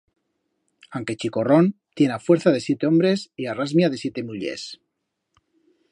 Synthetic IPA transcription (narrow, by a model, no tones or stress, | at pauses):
aŋke̞t͡ʃiko̞ro̞nt̪jenafwe̞ɾθað̞e̞sjet̪eõ̞mbɾe̞siarazmjaðe̞sjet̪e̞muʎḛs